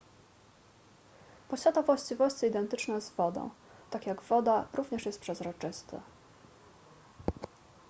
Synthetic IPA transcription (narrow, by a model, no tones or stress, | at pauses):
pɔɕvʲad̪avwaɕt͡ɕivɔɕt͡ssɛid̪ɛnt̪ɘt͡ʂnɛjzvɔd̪ɔ̰̃w̃t̪akjaɡvɔd̪aɾuvɲɛʂjɛst̪pʂɛzɾɔt͡ʂɘst̪ɘ̰